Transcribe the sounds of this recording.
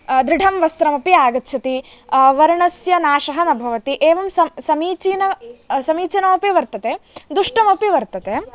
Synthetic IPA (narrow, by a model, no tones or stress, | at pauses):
d̪ɾɪɖʱɐmʋɐst̪ɾɐmɐpiaːɡɐt̪ːʃʰɐt̪i | ʋɐɾɳɐsjɐnaːʃɐɦɐnɐbʱɐʋɐt̪iʔeːʋɐmsɐmsɐmiːt͡ʃinɐsɐmiːt͡ʃɐnɐmɐpiʋɐɾt̪ɐt̪eːd̪uʂʈɐmɐpiʋɐɾt̪ɐt̪eː